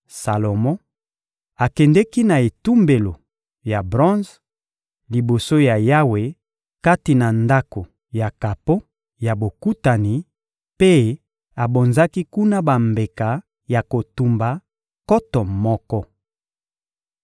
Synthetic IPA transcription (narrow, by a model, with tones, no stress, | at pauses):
sa˨lo˨mɔ̃˦ | a˨kɛ˨ndɛ˦ki˦na˨e˨tu˦mbe˨lo˨ | ja˨bʁɔ̃˦z | li˨bo˨so˦ja˨ja˦we˨ | ka˦ti˨na˨nda˦ko˨ | ja˨ka˨po˦ | ja˨bo˨ku˦ta˨ni˨ | pe˦ | a˨bo˨nza˦ki˦ku˦na˦ba˨mbe˨ka˨ | ja˨ko˨tu˨mba˨ | kɔ˦tɔ˨mɔ˦kɔ˦